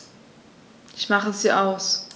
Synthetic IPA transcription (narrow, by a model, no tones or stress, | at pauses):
ʔɪçmaχəsiːʔaʊs